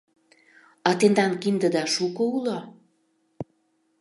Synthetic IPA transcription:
ɑt̪end̪ɑnkind̪əd̪ɑʃukoulo

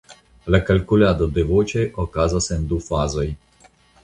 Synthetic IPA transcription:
lakalkulad̪ɔd̪ɛʋoːt͡ʃɛjʔɔkaːzasɛnd̪ufaːzɔj

